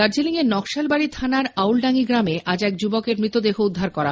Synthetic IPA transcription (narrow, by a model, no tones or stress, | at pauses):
aɾd͡ʑiliŋeɾnɔkʃalbaɽit̪ʰanaɾawlɖaŋiɡɾameʔʔad͡ʑɛk̚d͡ʑubokeɾmɾit̪od̪eɦoud̪ʱːaɾkɔɾa